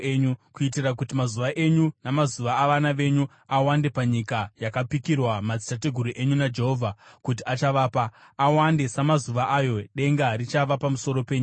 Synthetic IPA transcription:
eɲukuitirakutimazuʋaʔe̞ɲunamazuʋaːʋanaʋe̞ɲu | awande̞paɲikajakapikirwamad͡zi̥tateɡʱuɾuʔeɲunad͡ʒe̞ɦoːvʱakutiat͡ʃaʋaːpaːwande̞samazuʋaʔajo̞ɗe̞ŋɡarit͡ʃaʋapamuso̞ɾo̞pe̞ɲia

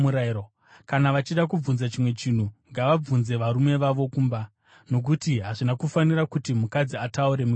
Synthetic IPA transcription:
uɾao | kanaʋat͡ʃiɗak̬ub͡vunzat͡ʃimwe̞t͡ʃin̤uŋɡaʋab͡vunze̞ʋaɾume̞ʋaʋo̞kuːmba | no̞k̬utiɦaʐinakufanirakutimukad͡ziatauɾe̞mu

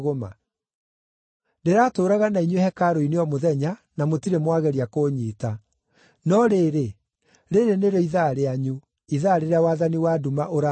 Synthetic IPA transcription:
ɣoma̰ | ndeɾaːtoːɾaɣanaiɲwehɛkaɾoineɔmoðɛɲanamotiɾemwaɣɛɾiakoːɲiːta | nɔɾeɾe | ɾeɾeneɾoiðaɾeaɲu | iðaɾeɾeawaːðaniwadumaʔoɾa

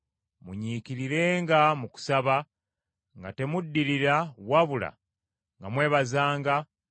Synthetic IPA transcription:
muɲiːkiɾiɾe̞ːŋɡamuku̥saβa | ŋɡa̰te̞mudːiɾiɾawaβula̰ | ŋɡamwe̞ːβazaːŋɡa

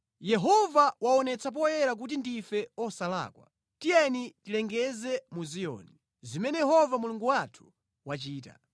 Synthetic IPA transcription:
jɛɦɔvawaɔnɛt͡sʰap̬ɔjɛɾak̬ut̬indifɛɔsala̰ːkwa̰ | tijɛnitilɛŋɡɛzɛmuzijɔ̰ni | zimɛnɛjɛɦɔvamuluŋɡuwatʰu̥ | wat͡ʃiːta̰

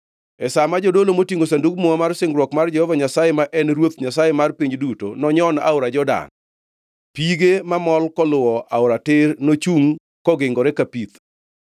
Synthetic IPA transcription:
ɛsamad͡ʒodolomotiŋosanduɡmɔamarsɪŋɾwɔkmard͡ʒɛhɔvaɲasajemaʔɛnɾwot̪ɲasajemarpiɲduto̰nɔɲɔna̰ʊɾad͡ʒɔda̰n | piɡemamɔlkɔlʊwɔʔaʊɾatɪrnot͡ʃuŋ | kɔɡɪŋɡɔɾɛkapit̪

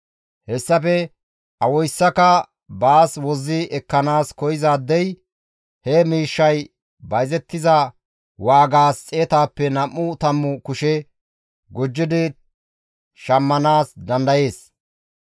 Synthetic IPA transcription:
hɛsːɐfɛ | ʔɐwɔjsːɐkɐ | baːswɔzːɪʔɛkːɐnaːskɔjɪzaːd̪ːɛj | hɛmiːʃːɐj | bɐjzɛt̪ːɪzɐ | waːɡaːst͡sʼeːt̪aːpːɛnɐmːʊt̪ɐmːʊkʊʃɛ | ɡɔd͡ʒːɪd̪ɪ | ʃɐmːɐnaːsd̪ɐnd̪ɐje̞ːs

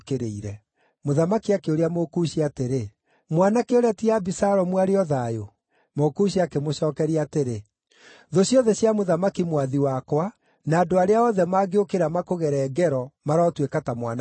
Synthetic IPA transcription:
keɾeiɾɛ | moðamakiakeoɾeamokuɕiateɾe | mwanakeoɾeatiabisaɾɔmwaɾeɔðajo | mokuɕiakemoɕɔːkɛɾiateɾe | ðoɕjɔðɛɕjamoðamakimwaðiwakwa | naːdoaɾeaɔðɛmaːɡeokeɾamakoɣɛɾɛːɡɛɾɔmaɾaɔtwekatamwa̰na

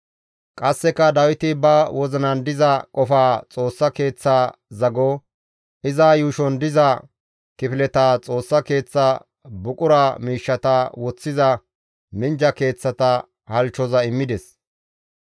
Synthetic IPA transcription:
kʼɐsːɛkːɐd̪ɐwɪt̪ɪbɐwɔznɐnd̪ɪzɐkʼɔfaːt͡sʼo̞ːsːɐke̞ːt͡sːaːzɐɡo | ʔɪzaːjuːʃɔnd̪ɪzɐ | kɪfɪlɛt̪aːt͡sʼo̞ːsːɐke̞ːt͡sːa | bʊkʼʊɾaːmiːʃːɐt̪ɐwɔt͡sːɪzɐ | mɪnd͡ʒɐke̞ːt͡sːɐt̪ɐ | hɐlt͡ʃːɔzɐɪmːɪd̪ɛs

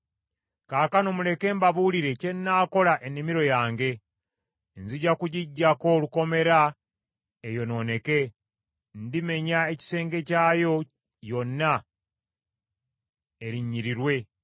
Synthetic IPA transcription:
kaːkanomule̞ke̞ːmbaβuliɾe̞ce̞nːaːko̞laʔe̞nːimiɾo̞jaːŋɡe̞ | nziɟakuɟiɟːako̞luko̞me̞ɾa | ejo̞no̞ne̞ke̞ | ndime̞ɲae̞ci̥se̞ːŋɡe̞caːjo̞ | jo̞nːa | eɾiɲːiɾiɾwe̞

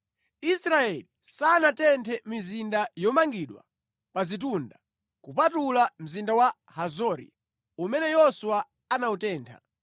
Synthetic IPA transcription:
isɾaɛlisanatɛntʰɛmizindajɔmaŋɡiɗwa̰ | pazit̬unda | kupatulam̩zindawa | hazɔɾḭ | umɛnɛjɔsuwa | anautɛːntʰa̰

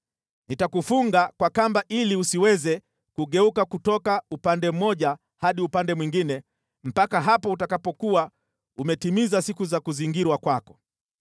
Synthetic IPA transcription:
nitakufuŋɡakwakambaʔiliusiwɛzɛ | kuɠɛukakutɔkaupandɛm̩mɔʄa | haɗiupandɛmwiŋɡinɛ | m̩pakaɦapɔutakapɔkua | umɛtimizasikuzakuziŋɡiɾwakwakɔ̥

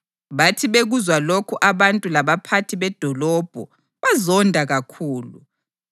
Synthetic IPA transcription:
βatʰiβeɣuzwalokʰuʔaβantʼulaβapʰatʰiβɛd̥ʱɔlɔːb̥ʱɔ̰ | βazɔndʱaɣakʰuːlṵ

